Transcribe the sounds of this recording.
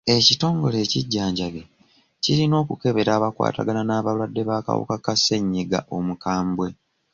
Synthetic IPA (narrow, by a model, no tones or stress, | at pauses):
e̞cito̞ːŋɡo̞le̞ːciɟːaːɲɟaɡe | ciɾino̞ːkuke̞βe̞ɾaːβakwa̰ːta̰ɡananaːβalwadːe̞βaːka̰wṵkakasːe̞ɲːiɡa̰ʔo̞mukaːmbwe̞